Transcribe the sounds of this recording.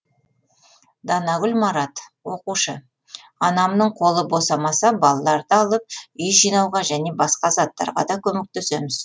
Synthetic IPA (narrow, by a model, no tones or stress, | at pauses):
d̪ɑnɑɡʲʏlmɑɾɑt̪wo̞quʃə | ɑnɑmnəɴqʰo̞lˠəbo̞sɑmɑsɑbɑlˠɑlˠɑɾd̪əɑlˠəp̚ʏjʒijnɑwʁɑʒæne̞bɑsqɑzɑt̪ːɑ̰ɾʁɑ̰d̪ɑkʲʰɵmek̚t̪ese̞mɪz̥